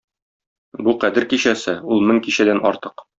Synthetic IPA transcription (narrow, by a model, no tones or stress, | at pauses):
buqæd̪ɘɾkiɕæsɘulˠmɘŋkiɕæd̪ænɒ̰ɾt̪ɤq